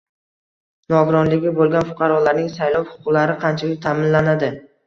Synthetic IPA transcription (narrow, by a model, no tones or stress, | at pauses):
nɒɡʊɾɒnlɪɡʲɪbolˠɡʲanfʊ̥qʰɑɾɒlaɾnɪŋsajlˠɒwhʊ̥qʰʊqlaɾɪqʰɑnt͡ʃʰalɪk̚ʲt̪ʰaːmɪnlanad̪ɪ